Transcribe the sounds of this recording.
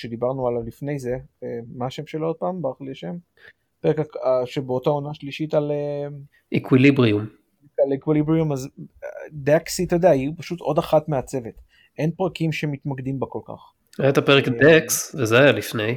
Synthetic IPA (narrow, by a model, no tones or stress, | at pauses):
ʃe̞d̪ibaʁnualavlifne̞jze̞emaaʃemʃelood̪̚paːmbaʁχliaʃem | peʁekaaʃebeot̪oao̞naʃliʃitale | ʔikwilibʁium | kalekwilibʁiumaz | d̪eksit̪ojd̪ejaiupaʃut̪o̞d̪aχatmeat͡se̞vet̪ | ʔe̞npʁakimʃemitmakd̪imbako̞lka̰χ | ajat̪apeʁekdeksvezeajalifnej